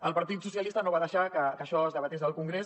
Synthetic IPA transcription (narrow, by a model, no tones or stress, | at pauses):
əlˠpəɾt̪it̪susijəlist̪ənoβaðəʃakəkəʃɔəzðəβət̪esðəlˠkuŋɡɾes